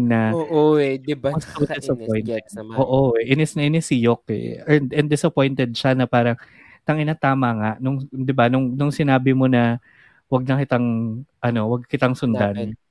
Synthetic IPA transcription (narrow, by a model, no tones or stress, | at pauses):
nɐoʔodɪbmɐskɐɐd̪ɛsɐpojnɛʔoːʔoɛʔɪnɛsnɐʔɪnɛsɪjok̚ɛ̰ɛd̪ɛnd̪ɪsɐpo̞jnt̪ɛd̪̚ʃanɐpaːɾɐŋ | t̪ɐŋɪnaːt̪aːmɐŋaʔnʊŋd̪ɪbanʊŋnʊŋsɪnaːbɪmo̞nɐ | wɐɡ̚nɐkɪt̪aŋʔɐno̞wɐɡ̚kɪt̪aŋsʊnd̪an